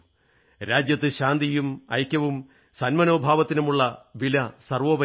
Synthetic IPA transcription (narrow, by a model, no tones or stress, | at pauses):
ɾaːd͡ʑjɐt̪ːɨɕaːnd̪ijumɐ̰jkʲːɐʋum | sɐnmɐno̞ːbʱaːʋɐt̪ːinumuɭːɐʋilɐsɐrʋoːʋɐ